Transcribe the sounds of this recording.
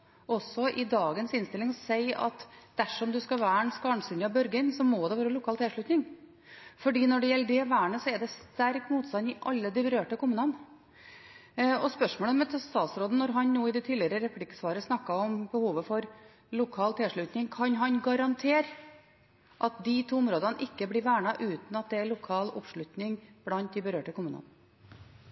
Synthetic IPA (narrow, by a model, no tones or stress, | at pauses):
ɔsːɔʔɪd̪ɑːɡənsɪnst̪ɪlɪŋɔsæɪɑ̰t̪d̪̥æʂɔmd̪ʉskɑʋæːɳskɑːɳsʏnɑbœɾɡənsɔmɔd̪ɛʋɑːɾəlʊkʰɑːlt̪ʰɪlʂɭʉt̪nɪŋ | fɔɖiːnɔɖɛjɛlːəɖ̪ɛɔʋæːɳəsɔɛd̪ɛst̪æɾkmuːt̪st̪ɑnɪʔɑ̰lːəd̪ɪbɾøːʈəkʰʊmʉːnən | ɔspœʂmoːləmɛt̪ʰst̪ɑːt̪sɾoːd̪ənɔɾɦɑnnuːɪd̪ɛt̪ʰiːlɪəɾəɾɛpʰlɪkə̥sʋɑːɾəsnɑkːɑɔmbəhuːʋəfɔɾ | lʊkʰɑːlt̪ʰɛlʂɭʉt̪nɪŋkʰɑnɦɑnɡɑɾɑnt̪ʰeːɾ | ʔɑt̪̚d̪ɪt̪ʰuːʊmɾoːd̪ɑnʔɪkːəblɪʋæːɳɑʔʉːt̪n̩ɑt̪̚d̪ɛælʊkʰɑːlɔ̰pʂɭʉt̪nɪŋb̥lɑnt̪̚d̪ɪbəɾøːʈəkʰʊmʉːnə̰n